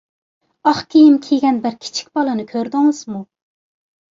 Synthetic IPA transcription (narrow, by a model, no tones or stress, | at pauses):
ɑχkʲʰejimkʲʰeɡʲɛnbɪɾkʲʰi̥t͡ʃʰi̥kʲbɑlˠɨnɨkʲʰøɾd̪ɪŋɨz̥mu